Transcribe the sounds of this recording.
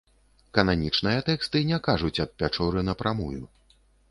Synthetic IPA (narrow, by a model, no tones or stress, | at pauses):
kɐnanʲit͡ʂnɨjɐt̪ɛkst̪ɨnʲɛkaʐut͡sʲɐt̪̚pʲat͡ʂɔɾɨnɐpɾamuju